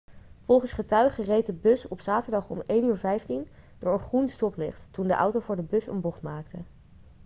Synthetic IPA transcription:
vɔlˠχənsχətœɥχərejt̚dəbɵsɔpsaːtəɹdɑχɔ̰mejnyːɹvɛjftind̥ʊːɹənχrunstɔplɪ̰χttundəʔʌ̰wtowvʊːɹdəbɵsə̰nbɔχtmaːktə

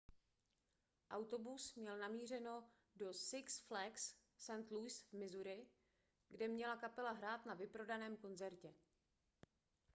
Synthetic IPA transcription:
ʔawt̪o̞busmɲɛlnamiːr̝ɛno̞ | do̞sɪksflɛks | sɛnt̪lujsvmɪzuɾɪ | ɡdɛmɲɛlakapɛlaɦɾaːt̪navɪpɾo̞danɛːmko̞nzɛɾcɛ

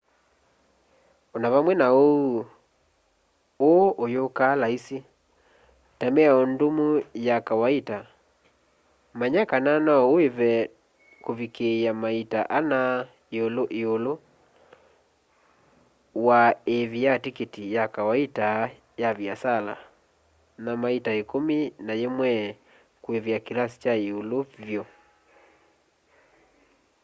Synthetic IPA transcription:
ɔnaβamwɛnao | oʔojokalaisi | tamɛaɔndomujakawaita | maɲakananaɔoeβɛ | koβikeamaita̰ʔana | eoloʔeolo | waeβijatiketijakawaita | jaβjasala̰ | namaitaekominajemwɛ | kweβjakilasi̥t͡ʃaeolovjɔ

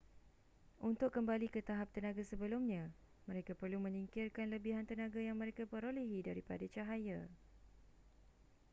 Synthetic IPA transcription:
ʔunt̪ʊkːəmbalikət̪aɦap̚t̪ənãɡasəbəlʊmɲã | mə̃ɾekapərlumə̃niŋkɪrkanləbiɦant̪ənãɡajaŋmə̃ɾekapəɾoleɦidaɾipa̰dat͡ʃaɦaja

